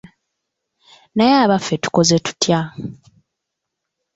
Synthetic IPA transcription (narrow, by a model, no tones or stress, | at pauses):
najaːβafːe̞tu̥ko̞zetu̥tja